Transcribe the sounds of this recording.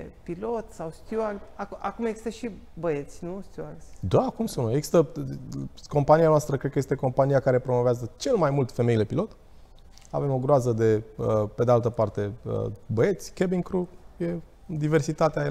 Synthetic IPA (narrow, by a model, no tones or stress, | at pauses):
pilot̪sawst̪jualakakumjeɡz̥ist̪əʃi | bəet̪sʲnust̪ʲjuald̪akumsunəeɡzi̥st̪ə | ko̞mpanianoast̪ɾəkɾed̪kəjest̪eko̞mpanijakaɾe̞pɾo̞mo̞veazət͡ʃe̞lmajmult̪feme̞jile̞pilo̞t̪ | a̰ve̞mo̞ɡɾoazəd̪e̞əpe̞d̪ealt̪əpart̪e̞ə̰bəe̞t̪sʲkebiŋkɾuje̞ | d̪ive̞rsit̪at̪eae